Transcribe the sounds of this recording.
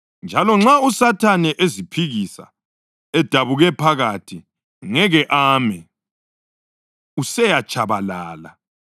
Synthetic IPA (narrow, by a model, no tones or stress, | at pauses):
nd͡ʒʱalɔŋ͡ǁausatʰanɛʔezipʰiɣisa̰ | ɛd̥ʱaβuɣɛpʰaɣatʰi | ŋɛɣɛʔaːmɛ | usɛjat͡ʃʰʼaβalaːla